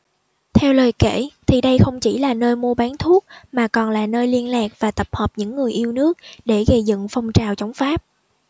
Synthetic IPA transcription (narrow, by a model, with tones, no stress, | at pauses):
t̪ʰɛ˧wləː˨˩jkḛ˧˩˨t̪ʰi˨˩ɗə˧jxə˧wŋ͡mt͡ɕi˧˩laː˨˩nəː˧jmu˧əɓaː˨˦nt̪ʰu˦˥ək̚maː˨˩kɔ˨˩nlaː˨˩nəː˧jli˧ənlaː˨˩k̚vaː˨˩t̪ə˨˩p̚həː˨˩p̚ɲɨ̰˧˥ŋːɨ˨˩əjʔi˧əwnɨ˦˥ək̚ɗe˧˩ɣə˧˩jzɨ̰˧˨ŋfə˧wŋ͡mt͡ɕaː˨˩wt͡ɕə˨˦wŋ͡mfaː˦˥p̚